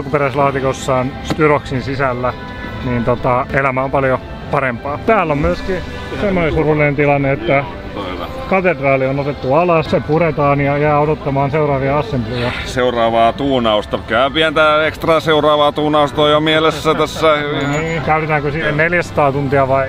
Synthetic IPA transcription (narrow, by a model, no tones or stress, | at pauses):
ɑlkuperæislɑːt̪ikosːɑːnst̪yroksinsisælːæ | niːnt̪ot̪ɑelæmæompɑljo | pɑɾempɑːt̪æːlːommyøski | semːonesurulːinent̪ilɑnːeet̪ːæ | kɑt̪edrɑːlionot̪et̪ːuɑlɑssepuret̪ɑːnjɑjæːodot̪ːɑmɑːnseurɑːʋiɑɑsːemplojɑseurɑːʋɑːt̪uːnɑust̪ɑkæːpiænt̪æekst̪rɑseurɑːʋɑːt̪uːnɑust̪oːjomielesːæt̪æsːæiniːkæyt̪et̪æːŋkøsiːenneljæsɑ̥t̪ɑːt̪unt̪iɑʋɑi